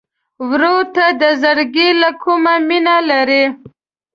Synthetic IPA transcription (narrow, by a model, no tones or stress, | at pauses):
wɾot̪ad̪əzəɾɡelakʰumaminalaɾi